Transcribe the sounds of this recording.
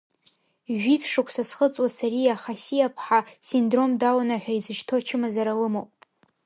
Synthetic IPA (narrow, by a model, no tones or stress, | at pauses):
ʒʷᶣifʰʂɨkʷʰsasχət͡sʼwasaɾijaχasijapʰħasindro̞mdawanaħʷᶣaizɨʃtʰo̞t͡ʃʰɪmazaɾalɨmowpʼ